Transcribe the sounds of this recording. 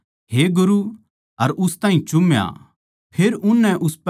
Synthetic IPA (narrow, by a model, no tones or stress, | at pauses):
ɦeɡʊɾu | ɐɾʊst̪ãːɦĩt͡ʃʊmja̰ | pʰeːɾʊnːɛʔʊsp